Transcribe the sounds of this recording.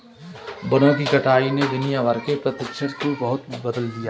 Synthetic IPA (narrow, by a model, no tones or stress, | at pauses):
bɐnõkikɐʈʰaːined̪ɪnijaʋəɾkepɾɐt̪ɪkʃəɾkobɐɦʊt̪bɐd̪əld̪ijaː